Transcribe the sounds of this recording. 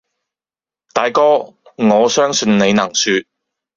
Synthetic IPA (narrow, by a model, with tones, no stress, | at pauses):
t̪aː˨˧jkɔː˥ŋɔː˨˧sœː˥ŋsɵ˧nne˨˧jnɐ˨˩ŋsyː˧t̚